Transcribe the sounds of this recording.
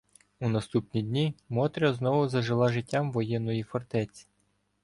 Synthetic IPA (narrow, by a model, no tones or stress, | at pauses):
unɐst̪upnʲidʲnʲimɔt̪ɾʲɐznɔʋʊzɐʒɪlˠɑʒɪtʲːamʋɔjɛnːɔjifɔrt̪ɛt͡sʲi̥